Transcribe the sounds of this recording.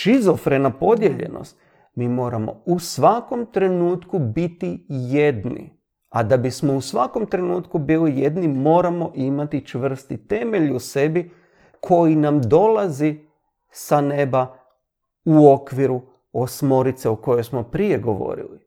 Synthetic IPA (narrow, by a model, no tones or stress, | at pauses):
t͡ʃizofɾe̞napo̞d̪je̞ʎe̞̰no̰st̪ | miːmo̞ːɾamo̞̰usʋako̞mt̪ɾe̞nuːt̪kubit̪ijed̪nḭ | ad̪abismo̞usʋako̞mt̪ɾe̞nuːt̪kubiːlijed̪nimo̞ːɾamo̞ʔimat̪it͡ʃʋr̩st̪it̪e̞me̞ʎuse̞bi | kʰo̞jinamd̪o̞lazi | sane̞ba | uo̞kʋiɾu | osmo̞ɾit̪seoko̞jojsmo̞pɾije̞ɡo̞ʋo̰ɾḭli